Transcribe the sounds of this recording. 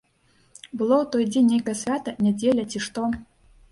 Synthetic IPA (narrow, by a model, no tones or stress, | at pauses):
bɨlˠowt̪ojdʲenʲːejkəjsʲvʲat̪ɐnʲɛd͡zʲelʲɐtʲiʂt̪o